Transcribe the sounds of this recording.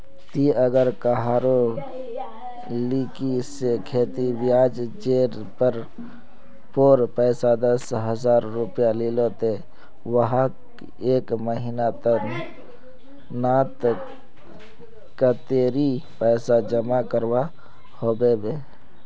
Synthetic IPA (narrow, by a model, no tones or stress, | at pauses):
t̪iəɡəɾkaɦaːɾo | likisekʰeːt̪iʋɪjaːd͡ʒd͡ʒeːɾ | pəɾ | poːɾpɛːsad̪əsɦəzaːɾːʊpjaliːlot̪e | wəɦa | eːkməɦiːnat̪ə | naːt̪ | kat̪eːɾi | pɛːsad͡ʒəmakəɾwa | hoːbebeː